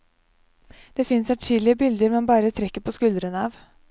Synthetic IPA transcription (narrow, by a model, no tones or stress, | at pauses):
d̪̥eːfɪnsæʈiːlɪəbɪld̪əɾmɛnbɑːɾət̪ʰɾɛkːəpʰɔskʉld̪ɾənəɑːʋ